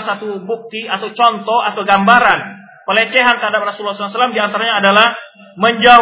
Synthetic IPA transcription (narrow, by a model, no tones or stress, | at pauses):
sat̪ubuk̚t̪iat̪awt͡ʃɔnt̪ɔhat̪awɡambaɾan | pəlet͡ʃeɦank̪əɦadap̚rasulːslasəlamdiant̪aɾaɲaːdalah | məɲd͡ʒa